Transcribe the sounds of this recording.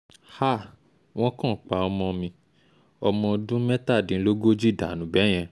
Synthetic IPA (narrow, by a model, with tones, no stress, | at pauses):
ha˦˨ | w̃ɔ̃˦kã˦˨˦k͡pa˧˨ɔ˧mɔ̃˧mĩ˧ | ɔ˧mɔ̃˧dũ˦mɛ˦ta˦˨dĩ˨˦lo˦ɡo˦d͡ʒi˦˨da˨nũ˨˦bɛ˨˦j̃ɛ̃˧